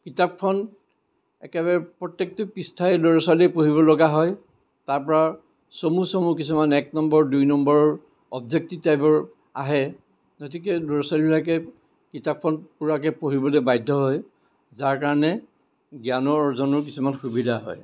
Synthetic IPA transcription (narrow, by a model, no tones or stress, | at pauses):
kitap̚kʰɔn | ɛ̰kɛbaɹɛpɹɔtːek̚tɔpistʰaɛloɹɔsalipoɦibɔlɔɡaɦɔj | taɹpɔɹa | somusomuk̬isumanɛk̚nɔmbɔɹdujnɔmbɔɹɔɹ | ɔbzek̚titajbɔɹ | a̰ɦɛ | ɡot̬ik̬ɛloɹɔsalilakɛ | kitap̚ʰɔnpuɹak̬ɛpoɦibɔlebajdʱːɔɦɔj | zaɹkaɹɔnɛ | ɡjanɔɔɹzɔnɔɹk̬isumanxubidʱaɦɔ̰j